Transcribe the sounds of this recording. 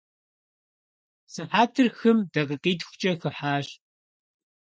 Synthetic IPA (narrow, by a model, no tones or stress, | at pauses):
sɨħaːtʰɨrxɨmdɐqəqiːtxʷʊ̥t͡ʃʼɐxɨħaːɕ